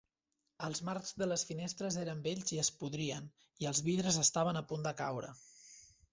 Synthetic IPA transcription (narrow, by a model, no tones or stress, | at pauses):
əlˠzmarzðələsfinest̪ɾəzeɾəmbeʎziəspuðɾiən | iəlˠzβiðɾəzəst̪aβ̞ənəpund̪əkawɾə̰